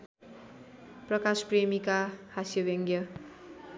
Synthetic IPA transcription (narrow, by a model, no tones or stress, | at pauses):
prʌkaspremikahasjʌbjʌŋɡjʌ